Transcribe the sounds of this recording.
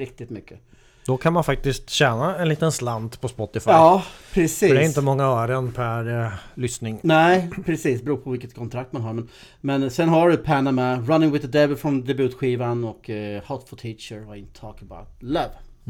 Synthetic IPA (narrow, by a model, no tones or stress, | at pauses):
ɾɪk̚t̪ɪt̪mʏkːə | d̪̥ɔkʰanmanfak̚t̪ɪst̪ɕɛːnaɛnliːt̪ənsland̪pʰɔspɔt̪ːɪfaɑːpʰɾɛsiːdɛæɾɪnt̪əmɔŋːaœːɾənpʰæɾlʏsnɪŋnɛɪpʰɾɛsiːsbəɾuːpʰɔvɪlkət̪̚kʰɔnt̪ʰɾak̚t̪manɦaɾmɛn | mɛnsɛnɦaɾʉpʰænamaɾanɪŋwɪðəd̪ɛbəfɾɔmd̪ɛbʉ̟ːt̪ɧiːvanɔkhɔt̪fɔlt̪ʰiːt͡ʃəɾaɪnt̪ʰːɔːkəba̰ʊt̪̚lɛv